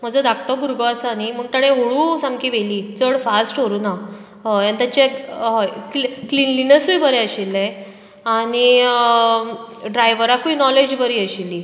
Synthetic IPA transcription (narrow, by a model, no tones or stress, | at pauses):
m̤əd͡zəd̪ʱakʈɔɡuɾɡɔasəanim̤əɳt̪aɽẽɦoɽuːsamkiːʋeliːd͡zəɽfasʈɦoɾuːna | jant̪at͡ɕeɦɔjklklinlinəsujbʱəɾeəɕilːẽ | aɽ̃i | ɖɾajʋəɾakuinɔled͡ʑbəɾiːəɕilːiː